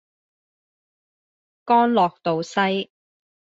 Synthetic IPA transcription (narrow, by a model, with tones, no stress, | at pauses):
kɔː˥nlɔː˨k̚t̪o˨wsɐ˥j